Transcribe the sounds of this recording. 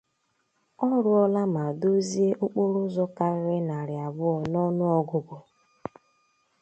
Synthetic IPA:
ɔ˦ɾʊ˦ɔ˦la˦ma˨do˦zi˦e˦ʔʊ˦k͡pʊ˦ɾʊ˦zɔ˦ka˦ɾɪ˦ɾɪ˦na˨ɾɪ˨a˨bʊ˦ɔ˨nɔ˦nʊ˦ɔ˦ɡʊ˨ɡʊ˨

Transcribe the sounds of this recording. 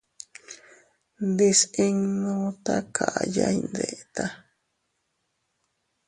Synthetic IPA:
nd̪e˧se˦ŋnõ˧t̪a˦kʰa˨ʔajajnd̪e˨ʔt̪a

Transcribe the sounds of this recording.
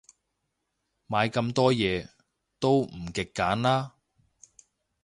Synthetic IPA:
maː˨˧jkɐ˧mt̪ɔː˥jɛː˨˧ | t̪o˥wm̩˨˩kɪ˨kːaː˨˥nlaː˥

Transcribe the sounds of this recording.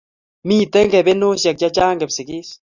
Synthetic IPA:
mi˦˨t̪e˦ŋɡe˨βe˦no˦ʃa˨k̚t͡ʃa˦t͡ʃaː˦ŋɡe˨βsi˨ki˦s

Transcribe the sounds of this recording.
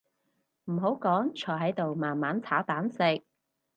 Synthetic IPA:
m̩˨˩ɦo˨˥wkɔː˨˥ŋt͡ʃʰɔː˨˩jɦɐ˨˥jt̪o˨˧wmaː˨nmaː˨˥nt͡sʰaː˨˥wt̪aː˨˥nsɪ˨˧k̚

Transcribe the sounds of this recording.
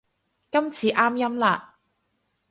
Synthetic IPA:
kɐ˥mt͡sʰiː˨˧ʔaː˥mjɐ˥mlaː˧

